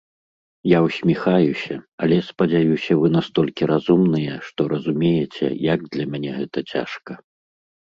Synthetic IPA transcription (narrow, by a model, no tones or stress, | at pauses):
jawsʲmʲixajusʲɐɐlʲɛspɐd͡zʲajusʲɐvɨnast̪ɔlʲkʲiɾazumnɨjɛʂt̪ɔɾɐzumʲejɛt͡sʲɛ̰jaɡ̚d̪lʲɐmʲanʲɛɣɛt̪ɐt͡sʲa̰ʂkɐ